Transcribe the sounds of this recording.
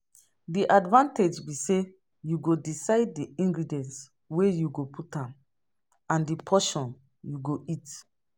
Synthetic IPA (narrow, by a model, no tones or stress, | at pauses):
diʔadvãnted͡ʒbise | juɡodisaɪd̚ːiĩŋɡɹidiɛ̃ns | wejuɡopʰutãm | ãndipʰɔʃɔ̃n | juɡoʔit